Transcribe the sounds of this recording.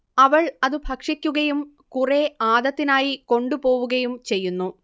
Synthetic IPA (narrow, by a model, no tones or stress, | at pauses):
ɐʋɐɭɐðɨbʱɐkʂikʲːuɣɐjum | kureaːd̪ɐt̪ːinaːjiko̞ɳɖupo̞ːʋuɣɐjumt͡ɕe̞jːunːu